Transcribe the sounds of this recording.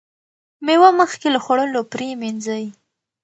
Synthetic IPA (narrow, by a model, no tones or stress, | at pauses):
mewaməxkelaxoɽəlopɾeminzəj